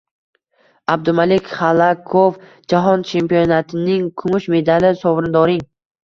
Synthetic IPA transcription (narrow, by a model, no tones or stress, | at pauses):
ab̚d̪ʊmalekʲχalˠakʰof | d͡ʒaɦɒnt͡ʃʰe̞mpijonat̪ʰɪnɪŋkʰʊmʊʃme̞d̪alɪsɒvɾɪnd̪ɒɾɪŋ